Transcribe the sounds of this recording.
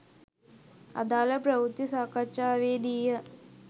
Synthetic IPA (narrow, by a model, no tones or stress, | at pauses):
a̰d̪aːləpɾɐʋut̪ːisaːkat͡ʃaːʋeːd̪ijə